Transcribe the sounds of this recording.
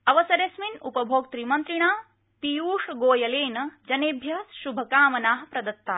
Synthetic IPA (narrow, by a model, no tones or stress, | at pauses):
ɐʋɐsɐɾesminupɐbʱoːɡ̚t̪ɾimɐnt̪ɾiɳaː | pijuːʂɐɡoːjɐleːnɐd͡ʒɐneːbʱjɐsʃubʱɐkaːmɐnaːɦɐ̆pɾɐd̪ɐt̪ːaː